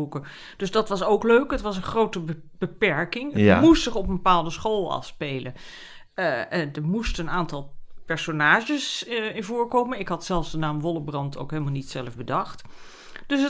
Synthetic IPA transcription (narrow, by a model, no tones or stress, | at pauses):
ukə | d̥ɵsdɑtʋɑsowkløɥkɦətʋɑs̬ənχrowtə | b̥əpɛɹkɪŋəmustsɪχɔpəmbəpaːlˠdəsχoːlˠɑ̰lspejlə | ndəɹmustənaːntɑlˠpɛɹsonaːʒəsɪnvʊːɹkoːmənɪkɦɑtsɛlˠfvdənaːmʋɔlˠəbrɑntʰo̰wkɦejlˠmalˠnitsɛləfbədɑχt | d̥øsə